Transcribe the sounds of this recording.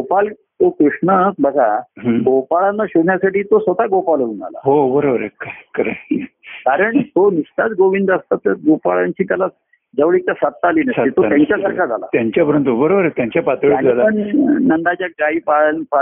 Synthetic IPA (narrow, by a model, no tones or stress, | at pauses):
ɡopal | t̪okɾuʂɳəsbʱəɡaɦəɡopaɭanːaɕoɽɳjasaʈiːt̪osʋət̪aɡopalɦouna̰la̰ɦobəɾobəɾekakəɾekaɾəɳt̪onist̪at͡sɡoʋind̪əst̪at̪ːəɡopaɭaɲt͡ɕiːt̪jala | d͡zəʋɭik̚t̪asat̪ːaliːnəsit̪ojaɲt͡ɕjasəɾkʰad͡zʱala̰t̪jaɲt͡ɕjapəɾənt̪ubəɾobəɾet̪jãɲt͡ɕjapat̪ɭiand͡zaaəɳnəɳɖ̪at͡ɕjaɡaipaɭnpa